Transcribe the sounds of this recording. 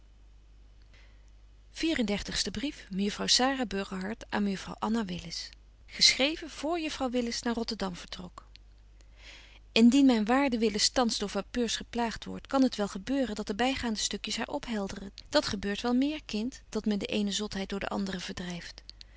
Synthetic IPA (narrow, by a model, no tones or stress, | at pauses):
v̥iːrəndɛɹtəχstəbrifməjɵfrɑwsaːraːbøɹχəɦɑɹtʔa̰ːnməjəfrɑ̰wʔɑnaʋɪlɪs | χəsχrejvəv̥ʊːɹjɵfrɑwʋɪlɪsnaːɹrɔtəɹdɑmv̥əɹtrɔk | ɪndinmɛjnʋaːɹdəʋɪləstɑnsdʊːɹvapøːɹsχəplaːχtʋɔ̰ɹtkɑnɦətʋɛlˠχəbøːrəndɑt̚dəbɛjχaːndəstɵkjəsɦa̰ːɹʔɔpɦɛlˠdərənd̥ɑtχəbøːɹtʋɛlˠmɪːɹkɪntd̥ɑtmɛndəʔejnəzɔtɦɛjdʊːɹdə̰ʔɑ̰ndərəv̥əɹdrɛjft